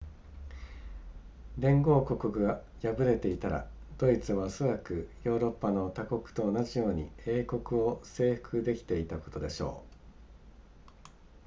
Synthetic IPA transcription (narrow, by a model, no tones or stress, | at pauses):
ɾẽ̞ŋɡo̞ːko̞kokɯ̟ɡa | jabɯ̟ɾe̞t̪e̞it̪aɾa̰ | d̪̥o̞it͡sɨβaso̞ɾakɯ̟jo̞ːɾo̞pːano̞t̪ako̞kɯ̟̥t̪o̞ːnaʑijo̞ːɲ̟ḭe̞ːko̞kɯ̟o̞se̞ːɸɯ̥kɯ̟d̪e̞kʲi̥t̪e̞it̪ako̞̥t̪o̞d̪e̞ɕo̞̰ː